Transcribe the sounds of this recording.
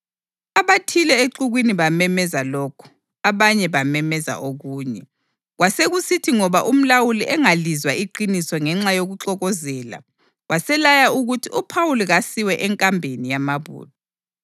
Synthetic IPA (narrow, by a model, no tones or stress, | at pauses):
aβatʰilɛeǃuɣwiniβamɛmɛzalɔkʰɔ̥ | aβaɲɛβamɛmɛza̰ʔoɣuːɲɛ | ɣwaseɣusitʰiŋɔβaʔum̩lawuliʔɛŋalizwaiǃinisɔŋɛŋ͡ǁajoɣuǁɔɣɔzɛːla̰ | ɣwʔasɛlajauɣutʰiupʰawuliɣasiwɛʔɛŋkʼambʱenijamaβṵːlɔ